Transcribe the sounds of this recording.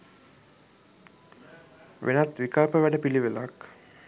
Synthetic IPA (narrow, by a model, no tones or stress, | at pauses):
ʋʔḛnat̪ʋikalpəʋæɖəpiliʋəlak